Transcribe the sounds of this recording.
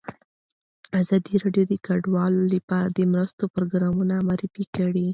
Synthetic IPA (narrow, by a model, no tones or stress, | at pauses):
azɑd̪iɾɑɖjod̪əkaɖwɑlolapɑɾad̪əmɾəst̪opɾoɡɾɑmunamaɾifikəɽi